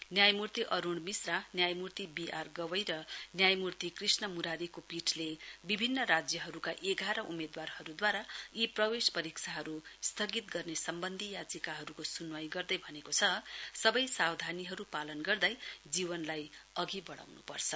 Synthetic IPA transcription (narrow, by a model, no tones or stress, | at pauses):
njajmurt̪iʔʌɾuɳmisranjajmurt̪ibiʔarɡʌwʌjɾʌnjajmurt̪ikrisnʌmuɾaɾikopiʈʰlebibʱinːʌɾad͡zjʌɦʌɾukaʔeɡaɾʌʔumed̪warhʌɾud̪waɾaiprʌwespʌɾiksʰaɦʌɾust̪ʰʌɡit̪ɡʌrnesʌmbʌnd̪ʱijad͡zikaɦʌɾukosunwʌjɡʌrd̪ʌjbʱʌnekot͡sʰʌsʌbʌjsawd̪ʱaniɦʌɾupalʌnɡʌrd̪ʌjd͡zibʌnlajʌɡibʌɽa̰wnṵpʌrt͡sʰʌ